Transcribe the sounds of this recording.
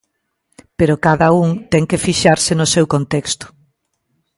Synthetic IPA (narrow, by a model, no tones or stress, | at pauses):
peɾʊkaðɐuŋt̪ɛŋkefiʃaɾsɪnʊsewkont̪ɛkst̪ʊ̥